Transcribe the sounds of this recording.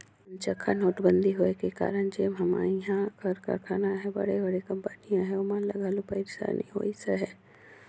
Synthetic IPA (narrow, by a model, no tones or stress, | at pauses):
nt͡ʃəkʰːanoːʈbə̃nd̪ʱiɦoːekeka̰ːɾəɽ̃d͡ʒeːmɦɐma̰iɦãkɐɾkɐ̰ɾkʰaːnaɦɛbɐ̰ɽebɐɽekɐ̃mpənijãɦɛʊmãlɐɡaːlupaɪɾsa̰nḭɦo̰ːiseɦɛː